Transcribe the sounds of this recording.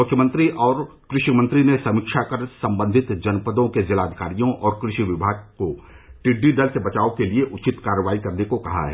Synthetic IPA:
mʊkʰjəmə̃nt̪ɾiʔɔːɾ | kɾɪʃimə̃nt̪ɾinesɐmikʃakɐɾsɐ̃mbə̃nd̪ʱɪt̪d͡ʒɐnpəd̪õked͡ʒɐlaːd̪ʱɪ̥kaːɾijõʔɔːɾkɾɪʃiʋɪbʱaːɡ̚ko | ʈɪɖːiɖɐlsebɐt͡ʃaːokelieʔʊt͡ʃɪt̪kaːɾəʋaːikɐɾnekokɐɦa̰ɦɛː

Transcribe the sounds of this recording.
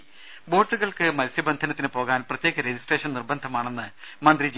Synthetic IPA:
bo̞ːʈːuɣɐɭkɨmɐlsjɐbɐnd̪ʱɐnɐt̪ːinɨpo̞ːɣaːnprɐt̪jeːɣɐɾed͡ʑisʈreːʂɐnirbɐnd̪ʱɐmaːɳe̞nːɨmɐnd̪rid͡ʑ

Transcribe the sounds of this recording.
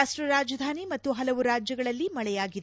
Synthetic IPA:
aːʂʈɾɐɾaːd͡ʒɐd̪ʱaːnimɐt̪ːuɦɐlɐʋuɾaːd͡ʒjɐɡɐɭɐlːimɐɭɛjaːɡid̪

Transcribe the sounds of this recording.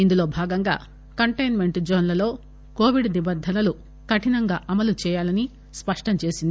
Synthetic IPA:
ind̪ulo̞ːbʱaːɡɐŋɡa̰ː | kɐɳʈɐjnme̞ɳʈd͡ʒoːnlɐlo̞ː | ko̞ːʋiɖnibɐd̪ʱːɐlɐlu | kɐʈinɐŋɡaːʔɐmɐlut͡ʃɛːjaːlɐni | spɐʂʈɐɲt͡ʃe̞ːsind̪ii

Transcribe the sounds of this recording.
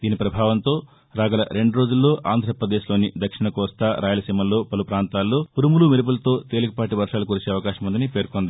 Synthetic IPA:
d̪iːnipɾɐbʱaːʋɐnt̪o̞ː | ɾaːɡɐlɐ̰ɾe̞ɳɖuɾo̞ːd͡ʒulːo̞ːʔʔa̰ːnd̪ʱɾɐpɾɐd̪e̞ːʃlo̞ːnid̪ɐkʂiɳɐkɔːst̪aɾʔaːjɐlɐsimɐlːo̞ːpɐlupɾaːnt̪aːlːo̞ːuɾumulumiɾɐp̬ulɐt̪o̞ːt̪e̞ːlukɐpaːʈiʋɐɾʂaːlukuɾut͡ʃe̞ːɐʋɐkaːʃɐmund̪ɐnipe̞ːɾkond̪i

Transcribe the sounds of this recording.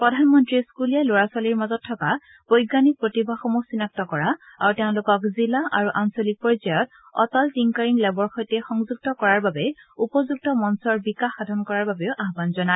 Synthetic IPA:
pɹɔdʱanmɔntɹiskulijaloɹaswaliɹmazɔtʰːɔka | b̥ojɡanik̚pɹotibʱaxomusinak̚tɔkɔɹaaɹuteʊ̃lʊkɔkzilaʔaɹuʔansolik̚poɹizajɔt | ɔ̰tɔltiŋkaɹiŋlɛbɔɹxojtɛxɔŋzuɡ̚tɔkɔɹaɹbabɛupɔzuɡ̚tɔmɔnsɔɹbikaxːadʱɔnkɔɹaɹbabɛʊʔaɦbanzɔna

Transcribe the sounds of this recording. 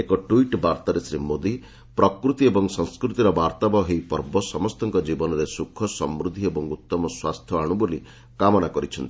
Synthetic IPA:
ekɔʈuiʈbaɾt̪aɾesɾimod̪i | pɾɔkɾut̪iebɔŋsɔŋskɾut̪iɾɔbaɾt̪abɔɦejpɔɾbɔsɔmɔst̪ɔŋkɔd͡ʒibɔnɔɾesukʰːɔsɔmɾud̪ʱiebɔŋut̪ːɔmɔswast̪ʰjɔaɽ̃uboli | kamɔnakɔɾit͡ʃʰɔnt̪i̥

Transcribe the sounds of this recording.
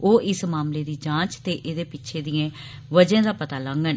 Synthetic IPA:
oːʔɪsmaːmleːd̪iːd͡ʒãːt͡ʃt̪eːʔeːd̪eːpɪtːʃʰeːd̪ɪjãː | ʋəd͡ʒãːd̪aːpət̪aːləŋɡən

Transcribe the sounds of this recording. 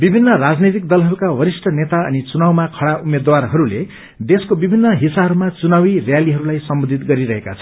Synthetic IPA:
bibʱinːʌrad͡znet̪̬ik̚d̪ʌlɦʌɾukawʌɾisʈʰʌnet̪aʌ̰nit͡sunawmakʰʌɽaʔumed̪warɦʌɾule | d̪eskobibʱinːʌɦisabɦʌɾumat͡sunawirjaliɦʌɾulajsʌmbod̪ʱit̪ɡʌɾiɾʌɦekat͡sʰʌ̥n

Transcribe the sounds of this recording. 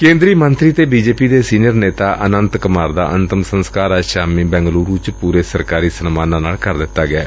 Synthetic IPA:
kẽːnd̪ɾiːmənt̪ɾiːt̪eːbiːd͡ʒeːpiːd̪eːsiːnɪjəɾneːt̪aːʔʔənənt̪kəmaːɾd̪a̰ːʔənt̪əmsənskaːɾaːʃaːmiːbɛ̃ːŋɡluːɾuːt͡ʃpuːɾeːsəɾkaːɾiːsənmaːnãːnaːlkəɾd̪ɪt̪ːaːɡɪaː

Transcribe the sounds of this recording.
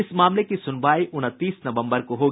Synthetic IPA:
ɪsmaːmlekisʊnʋaːiʔʊnət̪ːiːsnɐʋə̃mbəɾkoɦoː

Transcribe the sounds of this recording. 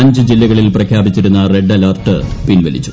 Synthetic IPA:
ɐɲd͡ʑɨd͡ʑilːɐɣɐɭilprɐkʰjaːbit͡ɕːiɾunːɐre̞ɖːɐlɐːrʈːɨpinʋɐ̰lit͡ɕːu̥

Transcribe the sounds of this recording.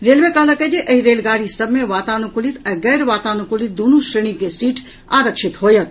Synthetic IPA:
ɾeːlʋekaɦləkəd͡ʒeʔɐɦiɾeːlɡaːɾisɐbmeʋaːt̪aːnukʊlit̪ɛ̃ːɡɛːɾʋaːt̪aːnukʊlit̪̚d̪unuʃɾeɳ̃ikesiːʈʰ | aːɾəkʃɪt̪ɦoːjət̪

